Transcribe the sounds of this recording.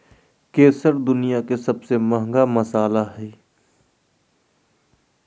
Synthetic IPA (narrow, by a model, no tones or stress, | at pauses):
keːsəɾd̪ʊnijakesɐbsemɐɦə̃ŋɡamɐsaːlaɦɛː